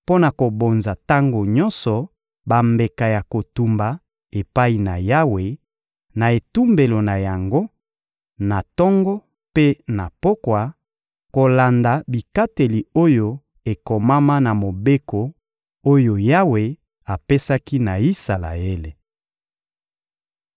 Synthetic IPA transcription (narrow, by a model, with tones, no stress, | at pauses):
po˦na˨ko˨bo˨nza˨ta˦ŋɡo˨ɲɔ̃˦nsɔ˨ | ba˨mbe˨ka˨ja˨ko˨tu˨mba˨ | e˨pa˦i˨na̰˨ja˦we˨ | na˨e˨tu˦mbe˨lo˨na˨ja˨ŋɡo˦ | na˨tɔ˦ŋɡɔ˦ | pe˦na˨po˦kwa˨ | ko˨la˨nda˨bi˨ka˦te˨li˨o˦jo˦ | e˨ko˨ma˦ma˦na˨mo˨be˦ko˨ | o˦jo˨ja˦we˨ | a˨pe˦sa˦ki˦na˨i˦sa˨la̰˨e˦le˨